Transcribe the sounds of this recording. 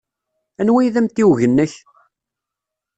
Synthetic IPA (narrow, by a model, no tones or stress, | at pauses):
ænwijðæmt̪iwʝənːəç